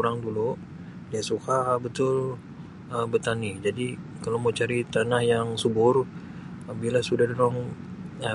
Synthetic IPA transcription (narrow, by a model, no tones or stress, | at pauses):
uɾaŋdulu | diasukabət̪ʊl | əbət̪anid͡ʒadikalomot͡ʃaɾit̪anahjaŋsubʊr | bilasudahdoɾɔŋə